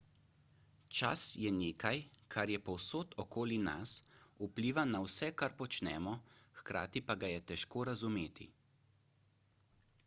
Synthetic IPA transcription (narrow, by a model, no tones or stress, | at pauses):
t͡ʃa̰sjɛneːkajkʰaɾjɛpɔwsoːt̪ʰɔkoːlina̰supliːʋanawsɛkaɾpɔt͡ʃnɛ̰ːmɔxkɾa̰ːt̪ipaɡajɛt̪ɛʃkoːɾazumeːt̪ḭ